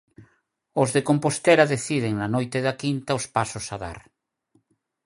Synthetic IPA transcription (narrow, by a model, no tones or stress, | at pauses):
ozðekompost̪eɾaðeθið̞eŋnanojt̪eðakint̪aospasosaða̰ɾ